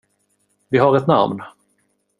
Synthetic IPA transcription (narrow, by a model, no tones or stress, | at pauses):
vɪɦaɾɛt̪na̰mn